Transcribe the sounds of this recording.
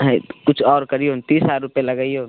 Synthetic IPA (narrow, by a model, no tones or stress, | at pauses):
ɦɛ̃kʊt͡ʃʰɔːɾkɐɾiont̪iːsaːɾʊpelɐɡəiõː